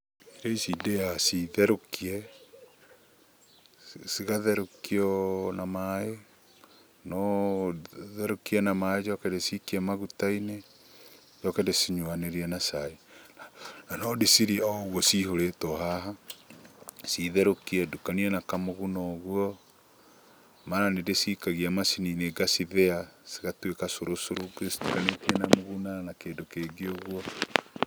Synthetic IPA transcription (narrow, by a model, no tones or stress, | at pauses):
iɾeisidejasiðɛɾokiɛ | siɣaðɛɾokiɔnamae | nɔ | ðɛɾokiɛnamaed͡ʒɔkɛdesikiɛmaɣutaine | d͡ʒɔkɛdesiɲwaneɾiɛnasaenananɔdisiɾiaɣɔsihoɾetoɦaɦa | siðɛɾokiɛdukaniɛnakamoɣunɔɣwɔ | maɾanedesikaɣiamasinineɡasiðease̥ɣatwekasoɾosoɾoɡesi̥dukanetiɛnamoɣunanakeːndokeɡeoɣwɔ